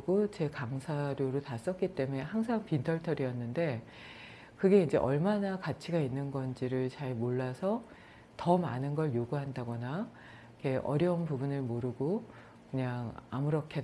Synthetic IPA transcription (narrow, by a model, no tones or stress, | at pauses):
ɡot͡ɕe̞kaŋsʰaɾjoɾotas͈ʌk͈̚it͈e̞me̞haŋsʰaŋpintʰʌɭtʰʌɾiʌnːɯnde̞ | kɯɡe̞ind͡ʑe̞̰ʔʌɭmanakat͡ɕʰiɡainːɯnɡʌnd͡ʑiɾɯɭt͡ɕaɭmoɭːasʰʌ | tʌma̰nɯnɡʌɭjoɡuɦandaɡʌna | ikʰe̞ʔʌ̰ɾjʌunpubunɯɭmoɾɯɡo | kɯɲaŋa̰muɾʌkʰe